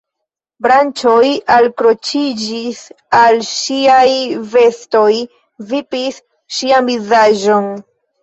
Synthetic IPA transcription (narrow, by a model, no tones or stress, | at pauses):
bɾant͡ʃo̞jalkɾo̞t͡ʃid͡ʒis | alʃiajve̞sto̞j | vipis | ʃiamvizaʒo̞n